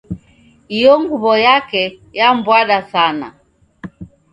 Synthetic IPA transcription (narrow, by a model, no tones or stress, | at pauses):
ijɔŋɡuβɔjakɛ | jambwaɗasana̰